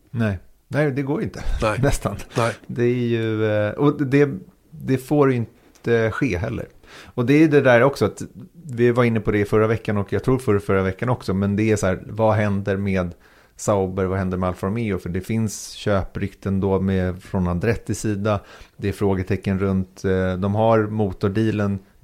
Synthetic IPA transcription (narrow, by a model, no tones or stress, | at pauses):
nɛɪ | nɛɪd̪ɛɡoːɾɪnt̪ə̥nɛst̪and̪ɛæɾjɵʔɔd̪ɛ | d̪ɛfoːɾjʏɪnt̪ | əɧeːɦɛlːə̰ɾ | ɔd̪ɛæjɵd̪ɛd̪æːɾɔksɔat̪vɪvaɾɪnːəpʰɔd̪ɛɪfœɾːavɛkːanɔkjɑɡt̪ʰɾuːɾfœɾfœɾːavɛkːanɔksɔmɛnd̪ɛæshæːɾvaɦɛnd̪əɾmeːd̪ | saʊbəɾvahɛnd̪əɾmɛalːfɔɾmɪʊfœɖɛfɪnsɕøːpɾʏkt̪ənd̪ɔmɛfɾɔnad̪ɾɛt̪ʰːɪsiːd̪ad̪ɛæɾfɾoːɡət̪ʰɛkːənɾɵnt̪d̪ɔmɦaɾmuːt̪ʊɖiːlən